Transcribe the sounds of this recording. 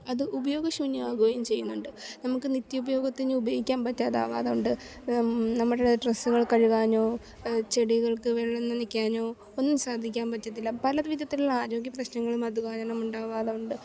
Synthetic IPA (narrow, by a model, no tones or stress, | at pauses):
ɐðɨʔubɐjo̞ːɡɐɕuɲːaːɡoːjɐmt͡ɕe̞jːunːuɳɖɨnɐmukːɨnit̪ːjɐubɐjo̞ːɡɐt̪ːinːɨubɐjoːɡikʲːaːnpɐtːaːða̰ːʋa̰ːðɐuɳɖɨ | nɐmːuɽeɽeʈrɐsːuɣɐɭkɐɻuɣaːɲo̞ː | t͡ɕe̞ɽiɣɐɭkɨʋeɭːɐnːɐnikʲːaːɲo̞ː | onːumsaːd̪ʱikʲːaːnpɐtːɐðilːɐpɐlɐʋid̪jɐt̪ːilaːɾo̞ːɡjɐprɐɕnɐŋːɐɭumɐd̪uɣaːɲɐnɐmːuɳɖaːʋaːðɐuɳɖɨ